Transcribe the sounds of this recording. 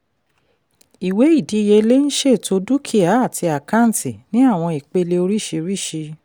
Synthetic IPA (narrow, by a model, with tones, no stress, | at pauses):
i˨we˨˦i˦˨di˨˦˨je˧le˦ñ̩˦ʃe˦˨to˧du˦kʰi˦˨a˨˦a˦˨ti˧a˨kã˦n̩˨ti˨nĩ˨˦a˦˨w̃ɔ̃˧i˨k͡pe˧le˧o˧ɾi˦˨ʃi˧ɾi˦˨ʃi˧